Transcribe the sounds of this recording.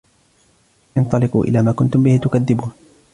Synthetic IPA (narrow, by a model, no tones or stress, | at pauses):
ʔɪnt̪ˤɑlɪqṵːʔɪ̰laːmaːkʊnt̪ʊmbɪhɪt̪ʊkaðːɪbuːn